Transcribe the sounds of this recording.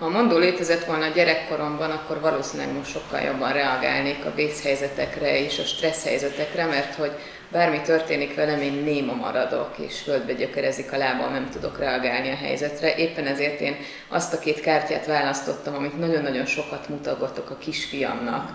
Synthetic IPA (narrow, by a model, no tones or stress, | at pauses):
hɒmo̞nd̪oːleːt̪ɛzɛt̪ʋo̞lnɒːɟɛɾɛkːo̞ɾo̞mbɒnɒkːo̞rvɒloːsinilɛ̰ɡmo̞ʃt̪ʃo̞kːɒ̰ljo̞̰bːɒnrɛɒɡa̰ːlneːkɒ̰beːshɛjzɛt̪ɛkrɛeːʃɒʃt̪rɛshɛ̰jzɛt̪ɛkrɛmɛrt̪ho̞ɟ | baːrmit̪ørt̪eːnikʋɛlɛmeːnːeːmɒmɒ̰ɾɒd̪o̞̰kḛːʃføld̪bɛɟøkɛɾɛzikɒlaːbɒ̰nɛmt̪ud̪o̞̰krɛɒɡaːlniɒɦɛ̰jzɛt̪rɛʔeːpːɛnɛzeːrt̪eːn | ɒ̰st̪ɒkeːt̪kaːrca̰ːt̪ʋaːlɒst̪ot̪ːɒmɒmit̪nɒɟo̞nːɒɟo̞nʃo̞kɒt̪mut̪ɒɡot̪o̞kɒkiʃfijɒ̰mnɒ̰k